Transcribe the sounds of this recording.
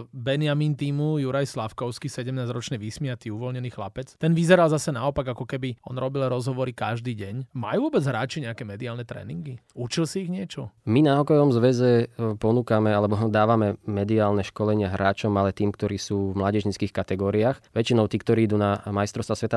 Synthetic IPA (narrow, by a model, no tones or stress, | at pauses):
bɛnɪamiːnt̪iːmujuɾajslafkɔʊskisɛɟɛmnaːzɾɔt͡ʃnɛʋismiat̪iuʋɔlɲɛniːxlapɛt͡st̪ɛnʋizɛɾalzasɛnaɔpaɡakɔkɛbiɔnɾɔbilɾɔzɦɔʋɔɾikaʒd̪iːɟɛɲma̰juːʋɔbɛd͡zɦɾaːt͡ʃiɲɛakɛmɛd̪iaːlnɛt̪ɾɛ̰niŋɡiut͡ʃilsiːɣɲɪɛt͡ʃɔminaɔkɔjɔʋɔmzʋɛzɛpɔnuːkamɛalɛbɔd̪aːʋamɛmɛd̪iaːlnɛʃkɔlɛɲɪaɦɾaːt͡ʃɔmalɛt̪iːmkt̪ɔɾiːsuːvmlaːɟɛʒɲit͡skiːxkat̪ɛɡɔːɾiaxʋɛt͡ʃinɔʊt̪iːk̚t̪ɔɾiːid̪uːnamajst̪ɾɔst̪ʋasʋɛt̪a